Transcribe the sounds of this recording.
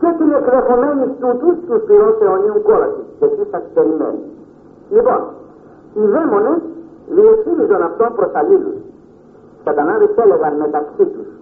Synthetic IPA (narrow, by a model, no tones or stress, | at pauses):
cesinekðexo̞me̞nist̪ut̪ust̪uspiɾonse̞oniuŋkolɐ̰siʝɐt̪ist̪ɐst̪eɾimḛni | lipo̞̰n | iðemo̞neðieksinizo̞nɐft̪o̞mpɾo̞sɐlilṵs | kɐt̪ɐnɐðiθelevɐnme̞t̪ɐksit̪us